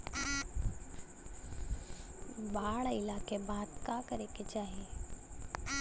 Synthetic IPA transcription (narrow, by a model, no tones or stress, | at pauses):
baːɭɪlaːkebaːd̪kaːkəɾeket͡ʃaːɦe